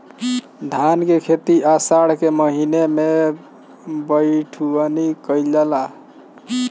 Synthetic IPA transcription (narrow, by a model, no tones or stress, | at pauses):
d̪ʱankekʰet̪iʔasaɽkeməɦineme | bəjʈʰuənikəjd͡ʒala